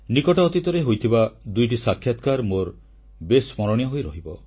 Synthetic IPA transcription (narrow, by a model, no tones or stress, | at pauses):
nikɔʈaːt̪it̪ɔɾeɦojt̪ʰibad̪ujʈ̬isakʰːjat̪kaɾmoɾ | besmɔɾɔɽ̃jɔɦojɾɔɦibɔ